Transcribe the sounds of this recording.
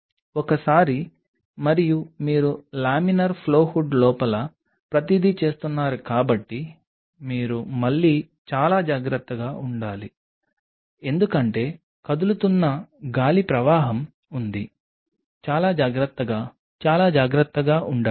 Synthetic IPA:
ɔkɐsaːɾi | mɐɾijumiːɾulaːminɐɾpʰlo̞ːhuɖlɔːpɐlɐ | pɾɐt̪id̪ʱit͡ʃe̞ːst̪unːaːɾukaːbɐʈːi | miːɾumɐɭːiː | t͡ʃaːlaːd͡ʒaːɡɾɐt̪ːɐɡaːʔuɳɖaːli | e̞nd̪ukɐɳʈe̞ː | kɐd̪ulut̪unːɐɡaːlipɾɐʋaːɦɐm | und̪i | t͡ʃaːlaːd͡ʒaːɡɾɐt̪ːɐɡaː | t͡ʃaːlaːd͡ʒaːɡɾɐt̪ːɐɡaːʔuɳɖaː

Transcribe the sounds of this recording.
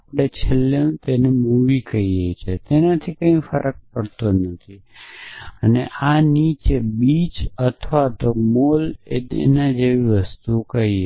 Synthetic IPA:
apɽ̃et͡ʃʰeleũt̪enɛmuʋikəiɦəjt͡ʃʰet̪enət̪ʰikəĩfəɾʔək̚pəɽt̪onət̪ʰi | ənḛʔanit͡ʃebit͡ʃət̪ʰʋat̪omolḛd̪ḛnad͡ʒeʋiʋəst̪ukəi

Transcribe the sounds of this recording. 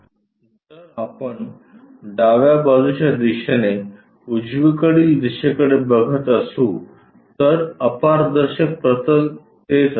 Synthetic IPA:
d͡zəɾapəɳ | ɖaʋjabad͡zut͡ɕad̪iɕəne | ud͡ʑʋikəɽiːld̪iɕekəɽebəɡʱət̪əsũ | t̪əɾəpaɾd̪əɾɕək̚pɾət̪ə | t̪ed͡z

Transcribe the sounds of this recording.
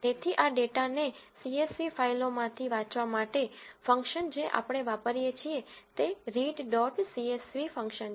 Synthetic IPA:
t̪et̪ʰiʔaɖeʈanesiesʋifailomãt̪ʰiʋãt͡ʃʋamaʈefə̃ŋkʃənd͡ʒeʔa̰pɽ̃eʋapəɾijet͡ʃʰiet̪eɾiɖɖɔʈsiesʋifə̃ŋkʃən

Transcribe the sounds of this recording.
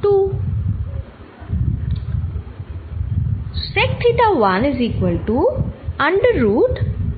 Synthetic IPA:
ʈu | sek̚ʈʰit̪aʋanezikʋəlʈuaɳɖɾuːʈ

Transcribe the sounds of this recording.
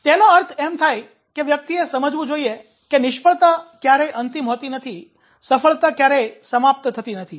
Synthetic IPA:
t̪enoəɾt̪ʰemt̪ʰaj | keʋjək̚t̪iesəməd͡ʒʋũd͡ʒoie | kenɪʃpəɭt̪akjaɾeʔənt̪imɦot̪inət̪ʰi | səfəɭt̪akjaɾesəmap̚t̪t̪ʰət̪inət̪ʰi

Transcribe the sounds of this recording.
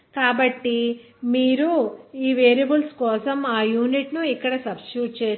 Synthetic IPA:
kaːbɐʈːi | miːɾuiːʋeːɾɐbulskɔːsɐmaːjuːniʈnuikːɐɽɐsɐbskɾuːʈ̚t͡ʃeː

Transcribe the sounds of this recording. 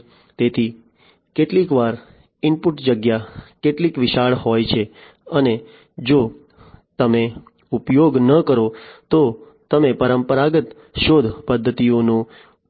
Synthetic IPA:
t̪et̪ʰi | keʈlikʋaɾ | ɪmpuʈd͡ʒəɡjakeʈlikʋɪʃaɭɦojt͡ʃʰe | əne | d͡ʒo | t̪əme | upjoɡnəkəɾot̪o | t̪əmepəɾəmpəɾaɡət̪ | ʃod̪ʱpəd̪ʱːət̪ionũ

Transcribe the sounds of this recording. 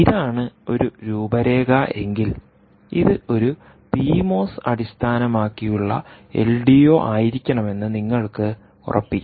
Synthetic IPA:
iðaːɳɨo̞ɾuɾuːbɐɾe̞ːɣɐʔe̞ŋɡil | iðɨo̞ɾu | piːmo̞ːsɐɽist̪ʰaːnɐmaːkːijuɭːɐ̰e̞̰lɖijo̞ːʔaːjiɾikʲːɐɳɐme̞nːɨniŋːɐɭkɨ | ṵrʔɐ̰pːi

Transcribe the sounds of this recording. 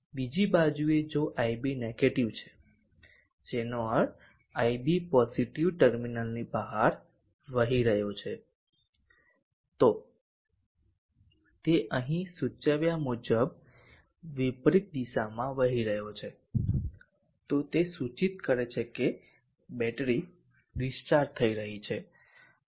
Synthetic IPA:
bid͡ʒibad͡ʒued͡ʒoʔaibineɡeʈiʋt͡ʃʰe̥ | d͡ʒenoəɾ | ajbipɔziʈiʋʈəɾminəlnibəɦaɾ | ʋəɦiɾəɦjot͡ʃʰe | t̪o | t̪eʔəɦĩsut͡ʃəʋjamud͡ʒəb | ʋipɾit̪̚d̪isamãʋəɦiɾəɦjot͡ʃʰe | t̪ot̪esut͡ʃit̪̚kəɾet͡ʃʰeke | bɛʈɾi | disʈaɾt̪ʰəiɾəɦit͡ʃʰe

